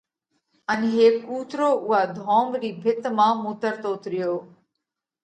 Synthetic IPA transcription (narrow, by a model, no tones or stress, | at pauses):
ənɦeːkuːt̪ɾoːʔʊɦaːd̪ʱoːmɾiːbʱɪt̪mãːmuːt̪əɾt̪oːʊt̪ɾɪjoː